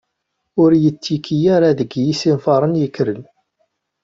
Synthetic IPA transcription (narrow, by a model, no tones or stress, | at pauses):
ʊɾjət͡sːikʰijaɾaðəɡjisinfɑɾˤənjəkːɾən